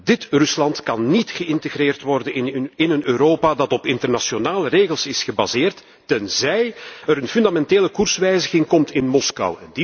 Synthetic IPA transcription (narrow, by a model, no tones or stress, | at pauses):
d̥ɪtrɵslɑntkɑnːitxəɪntəɣreːrtʋɔrdəɪnənøːɾoːpaːdɑtɔpɪntərnasjonaːləreːɣəlˠsɪsxəbazɪːrtː | ɛnzɛjəɾənfʏndamɛnteːləkursʋɛjzəɣɪŋkɔmtɪnmɔskɑ̰wɛ̰ndi